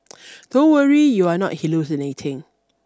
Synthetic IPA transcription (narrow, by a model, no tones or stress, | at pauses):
d̥owəɹijuanɔ̰t̚hilosinetʰɪ̃ŋ